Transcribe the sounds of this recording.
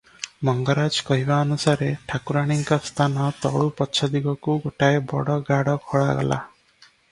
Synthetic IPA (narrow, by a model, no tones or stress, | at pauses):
mɔŋɡɔɾad͡ʒkɔɦibaɔnusaɾeʈʰakuɾaɽ̃iŋkɔst̪ʰanɔt̪ɔɭupɔt͡ʃʰɔd̪iɡɔkuɡoʈaebɔ̰ɽɔɡaɽɔkʰoɭaɡɔ̰la̰